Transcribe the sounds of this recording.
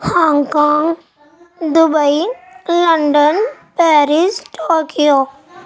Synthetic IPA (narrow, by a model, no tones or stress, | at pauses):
hãːŋkaːŋɡ | d̪ʊbəiləɳɖənpɛːɾɪsʈoːkijoː